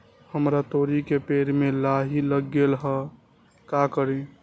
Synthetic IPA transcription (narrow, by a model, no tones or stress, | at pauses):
həmɾat̪oɾikepeɾmelaɦiləɡːelɦə | kakəɾe